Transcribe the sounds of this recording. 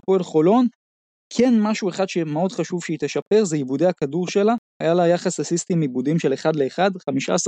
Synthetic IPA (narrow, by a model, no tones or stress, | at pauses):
poelχo̞lo̞n | kʰe̞nmaʃue̞χad̪ʃemeo̞d̪χaʃuv̥ʃeit̪eʃape̞ʁzejibudeakaduʁʃe̞lahajalajaχasasist̪imibudimʃe̞leχad̪le̞ːχad̪χamiʃa̰as